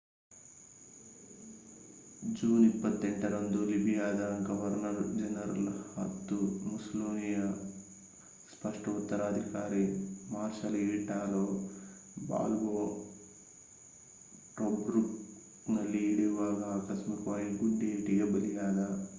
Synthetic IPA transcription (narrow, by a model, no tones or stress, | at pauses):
d͡ʒuːnipːɐt̪ːɛɳʈɐɾɐnd̪ulibʱijaːd̪ɐɡɐʋɐɾnɐɾd͡ʒɐnɐɾɐ̰lhɐ̰t̪ːumusɐloːnijɐ | spɐʂʈɐut̪ːɐɾaːd̪ʱikaːɾimaːɾʃɐliːʈaːloː | ba̰ːlboː | ʈobɾuk | nɐlːiːɽiʋaːɡaːkɐsmikʋaːjiɡuɖːeːʈiɡɐbɐlijaːd̪a